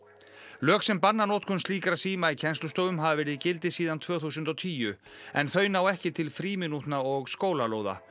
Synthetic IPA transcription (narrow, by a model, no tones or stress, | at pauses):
lœːksɛmpanːanoːt̪kʰɔnst̪liːkɾasiːmaicʰɛnst̪lʏst̪oːwʏmɦavavɛːɾɪðcɪlt̪ɪsiːðant̪ʰvœːθusʏnt̪ɔt̪ʰiːjʏ | ɛnθœːɥnaːwɛhcɪt̪ʰɪlfɾiːmɪnut̪naɔɣskoːwlaloːwða̰